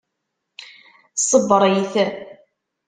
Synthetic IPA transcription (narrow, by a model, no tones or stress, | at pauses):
sˤəbːəɾˤjiθəɾ